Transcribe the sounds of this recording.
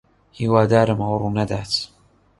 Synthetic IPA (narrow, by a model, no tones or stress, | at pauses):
hiwaːd̪aːɾəmwɾˤunad̪aːt̪